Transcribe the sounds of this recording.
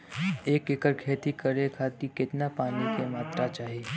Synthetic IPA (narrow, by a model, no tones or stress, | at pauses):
eːkekəɾkʰeːt̪ikəɾekʰaːt̪ikɪt̪napaːnikemaːt̪ɾat͡ʃaːɦeː